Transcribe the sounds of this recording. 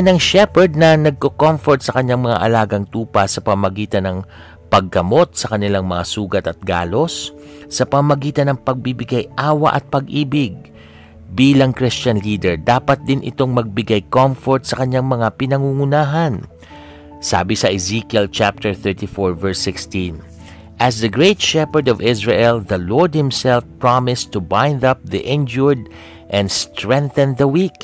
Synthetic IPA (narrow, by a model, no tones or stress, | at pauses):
nɐŋʃɛpɛɹd̪̚nɐnɐɡ̚kokomfoɹt̪̚sɐkɐɲːaŋmɐŋa̰ʔɐlaːɡɐŋt̪uːpɐsɐpɐmmɐɡiːt̪ɐnɐŋ | pɐɡːɐmo̞t̪̚sɐkɐnɪlaŋmɐŋasuːɡɐt̪ɐt̪̚ɡa̰ːlo̞sː | ɐpɐmmɐɡiːt̪ɐnɐŋpɐɡ̚bibɪɡajʔaːwɐ̰ʔɐ̰t̪̚pɐɡʔiːbɪɡ̚ | biːlɐŋkɾist͡ʃɐnliːd̪ɛɹd̪aːpɐt̪̚d̪ɪnʔɪ̰t̪o̞ŋmɐɡ̚bɪɡajkomfɔɹt̪sɐkɐɲaŋmɐŋapɪnɐŋuŋʊnaːɦɐn | sa̰ːbɪsɐʔɪzikjɛlt͡ʃap̚t̪ɛɹθɛɹt̪ifɔɹvɛɹsɪkst̪ĩn | ʔɐsd̪ɐɡɹejt̪ʃɛpɛɹd̪ɔvɪsɹɛʔɛlðɐlɔɹd̪̚hɪmsɛlfpɹamɪst̪ʊbãjnd̪ɐp̚ðiʔɪ̃nd͡ʒʊɹd̪̚ | ʔɛ̃nd̪st̪ɹɛ̃ŋθɛnðɐwik